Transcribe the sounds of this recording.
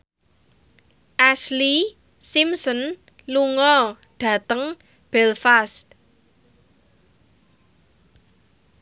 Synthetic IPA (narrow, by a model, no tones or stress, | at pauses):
ʔasli | simsən | luŋɔ | ɖ̥ä̤t̪əŋ | b̥ɛlfast̪̚